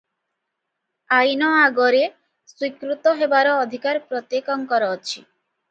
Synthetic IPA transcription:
ajnɔaɡoɾe | swikɾut̪ɔɦebaɾɔːd̪ʱikaɾpɾot̪jekɔŋkɔɾɔt͡ʃʰi

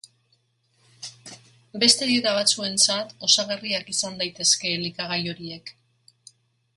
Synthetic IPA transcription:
be̞st̪e̞ðeɾaβ̞at͡sue̞nt͡sat̪o̞saɣeriakisand̪ajt̪e̞ske̞likaɣajo̞ɾie̞k

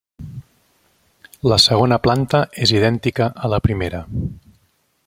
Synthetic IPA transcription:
ləsəɣonəplant̪əeziðɛnt̪ikəʔːləpɾimeɾə

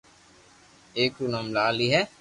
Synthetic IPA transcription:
eːkuːnamlaːliɦɛː

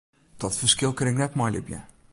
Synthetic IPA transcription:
d̥ɔtfərskɪlˠkɾɪŋnɛtmɔjlɪ̰bjɛ̰

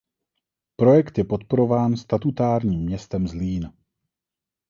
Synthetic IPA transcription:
pɾo̞jɛkt̪jɛpo̞t̪po̞ɾo̞vaːnst̪at̪ut̪aːɾɲiːmːɲɛst̪ɛmzliːn

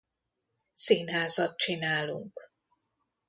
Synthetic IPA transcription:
siːnɦaːzɒt̪̚t͡ʃinaːlṵŋk

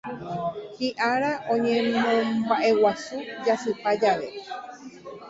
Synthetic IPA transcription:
hiʔaɾaʔõ̞ɲẽmõbaʔe̞wasud͡ʒasɨpad͡ʒaʋe̞

